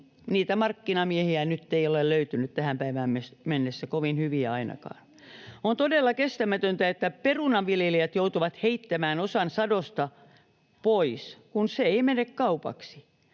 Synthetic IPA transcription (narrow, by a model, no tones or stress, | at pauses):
niːt̪æmɑrkːinɑmiehiænyt̪ːeiolelløyt̪ynyt̪t̪æhæmpæiʋæːmmesmenːesːækoʋinhyʋiæɑinɑ̰kɑ̰ːn | ont̪odelːɑkest̪æmæt̪ønt̪æet̪ːæperunɑʋʋiljeliæt̪jout̪uʋɑt̪heit̪ːæmæːnosɑnsɑdost̪ɑ | poiskunseeimenekkɑupɑ̰ksi̥